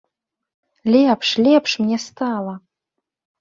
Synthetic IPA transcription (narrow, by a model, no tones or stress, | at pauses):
lʲepʰʂlʲepʰʂmnʲest̪ʰaːla